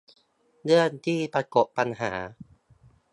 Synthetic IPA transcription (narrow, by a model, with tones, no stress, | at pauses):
dɯ˥˩ənt̪ʰiː˥˩pɾa˧ko˨˩pːa˧nɦa̰ː˩˦